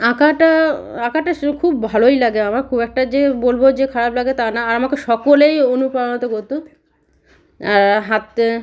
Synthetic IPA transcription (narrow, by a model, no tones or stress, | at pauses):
akaʈaakaʈakʰubbʱalojlaɡeamaɾkʰubɛk̚ʈad͡ʑebolbod͡ʑekʰaɾablaɡet̪anaːɾamakeʃɔkolejonupɾaonot̪okoɾt̪u | aɾɦat̪